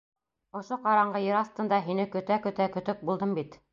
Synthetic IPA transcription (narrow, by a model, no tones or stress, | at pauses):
ŏʃoqɑɾɑɴɢɤjɤɾɑst̪ɤ̆nd̪ɑɦinɘkɵ̆t̪ækɵ̆t̪ækɵ̆t̪ɵk̚bulˠd̪ɤmbit̪